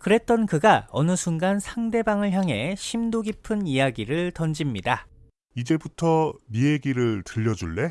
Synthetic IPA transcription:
kɯɾe̞t̚t͈ʌnkɯɡaʌnɯsʰuŋɡansʰaŋde̞baŋɯɭçjaŋɦe̞ɕʰimdoɡipʰɯnijaɡiɾɯɭtʌnd͡ʑimɲida | id͡ʑe̞butʰʌmieɡiɾɯɭtɯʎːʌd͡ʑuɭːe̞

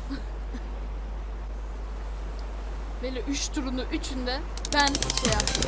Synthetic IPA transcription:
belʲːɛʔyʃt̪uɾunuʔyt͡ʃʰynd̪ɛ | bæniʃeja

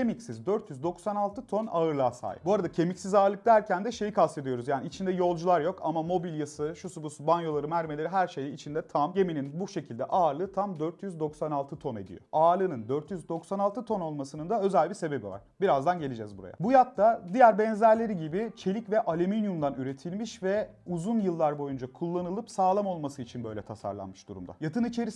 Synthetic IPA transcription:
emicsizd̪øɾt̪ʰjyzd̪o̞ksanalˠt̪ʰɯt̪ʰo̞naɯɾlˠaːsa̰ːj̰buaɾad̪acʰe̞micsizaːɾlˠɯk̚d̪æɾcʰænd̪ɛʃe̞jikʰased̪ijo̞ɾuzjaːniːt͡ʃʰind̪ɛjo̞lˠd͡ʒulˠaɾjo̞kamamo̞bilʲjasɯʃusubusubanjo̞lˠaɾɯmæɾmelʲe̞ɾiɦæɾʃe̞jiːt͡ʃʰind̪ɛt̪ʰamje̞mininbuʃe̞cʰilʲd̪ɛ̰ʔaːɾlˠɯːt̪ʰamd̪øɾt̪ʰjyzd̪o̞ksanalˠt̪ʰɯt̪ʰo̞ned̪ḭjo̞̰ʔaːɾlˠɯnɯnd̪øɾt̪jyzd̪o̞ksanalˠt̪ʰɯt̪ʰo̞nolˠmasɯnɯnd̪aø̞zælʲbise̞be̞biva̰ɾ̥biɾazd̪anɟelʲid͡ʒɛzbuɾa̰ja̰bujat̪̚ːad̪ijæɾbɛnzæɾlʲe̞ɾiɟibit͡ʃʰe̞lʲicvɛʔalʲyminjumd̪anyɾe̞t̪ʰilʲmiʃvɛuzunjɯlˠːaɾbo̞jund͡ʒakʰulˠːanɯlˠɯpsaːlˠamo̞lˠmasɯit͡ʃʰinbø̞jlʲɛt̪ʰasa̰ɾlˠa̰nmɯʃd̪ṵɾṵmd̪a̰jat̪ʰɯnit͡ʃʰe̞ɾis

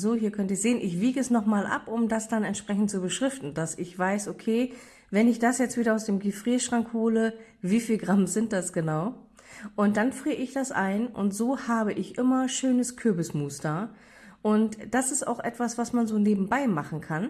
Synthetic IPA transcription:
zoːhiːɐkʰœntɪzeːənʔɪçv̥iːɡəɛsnɔχmaːlʔa̰pʊmdasd̥anɛntʃpʁ̥ɛçn̩tt͡subəʃʁ̥ɪftn̩dasɪçv̥aɪsʔokʰeː | vɛnɪçd̥asjɛt͡stviːɾɐaʊsd̥eːmɡifʁ̥iːʃʁ̥aŋkhoːləviːfiːlɡʁamzɪnt̚d̥asɡ̥ənaʊ | ʔʊnt̚d̥anfʁ̥iːəɪçd̥asʔa̰ɪnʔʊ̰ntz̥oːhaːbəʔɪçʔɪmɐʃøːnəskʰʏɐbɪsmuːstɐ | ʔʊntd̥asɪsta̰ʊxʔɛtv̥asv̥asmanzoːneːbm̩baɪmaχn̩kʰan

